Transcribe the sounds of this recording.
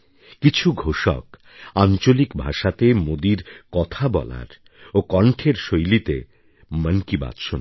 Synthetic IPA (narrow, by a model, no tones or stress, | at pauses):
kit͡ɕʰuɡʱoʃɔ̰k | ant͡ɕolikbʱaʃat̪emod̪iɾkɔt̪ʰabɔ̰la̰ɾ | okɔɳʈʰeɾʃojlit̪e | məŋkiba̰d̪ʃon